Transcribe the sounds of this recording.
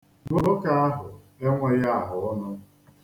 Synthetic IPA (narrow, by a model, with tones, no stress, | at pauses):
ŋo˨ɾo˦ka˦a˦ɦʊ˨ | e˦ŋʷe˦ɾa˦a˨ɦʊ˨ʊ˦nʊ˦